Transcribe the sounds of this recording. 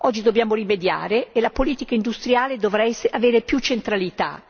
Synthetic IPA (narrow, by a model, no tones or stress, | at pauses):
ɔd͡ʒːid̪objaːmoɾimed̪ja̰ːɾeːlapoliːt̪ikaind̪ust̪ɾjaːled̪ovɾaɛsaveːɾepjut͡ʃːent̪ɾalit̪a̰